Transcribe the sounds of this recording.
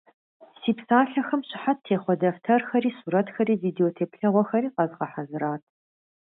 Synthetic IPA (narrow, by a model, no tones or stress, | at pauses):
siːpsaːɬɐxɐmɕɪħattʰeːχʷɔdɐftʰɐrxɐɾiːsuɾɐtxɐɾiːviːdeoːtʰeːpɬɐʁʷɔxɐɾiːqɐzʁɐħazɨɾaːtʰ